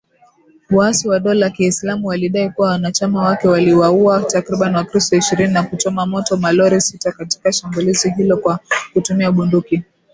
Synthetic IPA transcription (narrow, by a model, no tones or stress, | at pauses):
wasiwaɗɔlakiːslamuwaliɗaikuwawanat͡ʃamawakɛwaliwauatakɾiɓaniwakɾistɔiʃiɾininakut͡ʃɔmamɔtɔmalɔɾisitakati̥kaʃambuliziɦilɔkwakutumiauɓunduki